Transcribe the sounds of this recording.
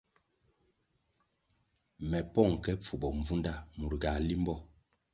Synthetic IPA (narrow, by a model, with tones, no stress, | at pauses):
mɛ˨pɔ˦˨ŋ˨kɛ˦p͡fu˨bɔ˨ɱ˨vu˦nda˦˨mu˨ɾɡa˨li˦mbɔ˦˨